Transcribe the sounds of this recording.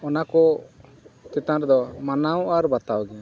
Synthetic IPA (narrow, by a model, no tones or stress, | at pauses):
ɔnakɔ | kɛt̪aɾd̪ɔmanawaɾbat̪awɡɛa